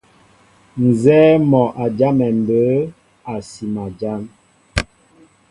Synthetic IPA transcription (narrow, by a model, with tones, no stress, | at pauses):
n̩˨zɛː˦mɔ˨ʔa˨d͡ʒa˦mɛ˨m̩˨bə˨˦ | a˨si˨ma˨d͡ʒa˦m